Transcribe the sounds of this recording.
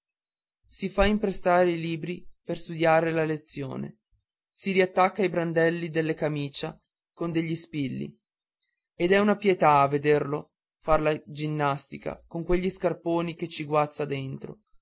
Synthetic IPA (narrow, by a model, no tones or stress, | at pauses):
sifaimpɾest̪aːɾeiliːbɾiperst̪ud̪jaːɾelalet̪sːjo̰ːnḛ | siɾiat̪ːakːaːjbɾand̪ɛlːid̪elːekamiːt͡ʃa | kond̪eʎːispilːḭ | ed̪ɛunapjet̪aːvːed̪erlo | farlad͡ʒinːast̪ika̰koŋkweʎːiskarpoːniket͡ʃːiɡwat̪sːad̪ent̪ɾo̰